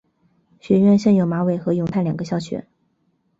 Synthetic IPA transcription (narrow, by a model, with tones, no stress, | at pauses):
ɕɥɛ˧˥ɥɛ˥˧nɕɤ˥˩ŋjo˨˩ʊma˧˥we˨˩ɪxɤ˧˥jʊ˧˥ŋt̪ʰa˥˩ɪljɑ˨˩ŋɡə˧˦ɕjɑ˥˩ʊt͡ɕʰɥɛ̰˧˥˦n